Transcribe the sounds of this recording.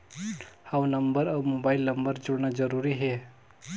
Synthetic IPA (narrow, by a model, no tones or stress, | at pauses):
haũnəmbəɾawmobailnəmbəɾd͡ʒoɽnad͡ʒəɾuɾiɦe